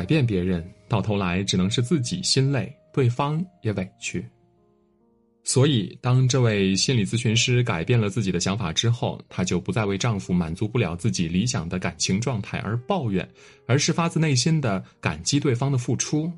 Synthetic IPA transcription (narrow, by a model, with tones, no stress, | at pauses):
ka˨˩ɪpjɛ˥˩np̬jɛ˧˥ɻə˧˥nt̪ɑ˥˩ʊt̪ʰo˧˥ʊla˧˥ɪʈ͡ʂɻ̩˨˩nɤ˧˥ŋʂɻ̩˥˧t͡sɹ̩˥˩t͡ɕḭ˨˩ɕi˥nle˥˩ɪt̪we˥˩ɪfɑ˥ŋjɛ˧˥we˨˩ɪt͡ɕʰy˥˩ | swɔ˧˥i˨˩t̪ɑ˥ŋʈ͡ʂɤ˥˧we˥˩ɪɕi˥nli˨˩t͡sɹ̩˥ɕy˧˥nʂɻ̩˥ka˨˩ɪpjɛ˥˩nlə˩t͡sɹ̩˥˩t͡ɕi˨˩d̪ə˦ɕjɑ˧˥ŋfa̰˨˩ʈ͡ʂɻ̩˥xo˥˩ʊt̪ʰa˥t͡ɕjo˥˩ʊpu˧˥t͡sa˥˧ɪwe˥˧ɪʈ͡ʂɑ˥˩ŋfu˨˧˩ma̰˨˩nt͡su˧˥pu˥˩ljɑ˨˩ʊt͡sɹ̩˥˩t͡ɕi˨˩li˧˥ɕjɑ̰˨˩ŋd̪ə˦ka̰˨˩nt͡ɕʰi˧˥ŋʈ͡ʂwɑ˥˧ŋt̪ʰa˥˩ɪʔə̰˞˧˥pɑ˥˧ʊɥɛ̰˨˩n | ə˞˧˥ʂɻ̩˥˩fa˥t͡sɹ̩˥˧ne˥˩ɪɕi˥nd̪ə˨ka̰˨˩nt͡ɕi˥t̪we˥˩ɪfɑ˥ŋd̪ə˨fu˥˩ʈ͡ʂʰu˥